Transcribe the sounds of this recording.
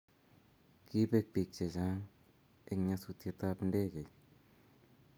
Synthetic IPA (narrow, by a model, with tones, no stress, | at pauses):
ki˦pe˧k̚pi˨k̚t͡ʃe˨t͡ʃa˦ŋ | e˦kɲa˧su˧t̪je˧t̪a˧pnde˦ke˨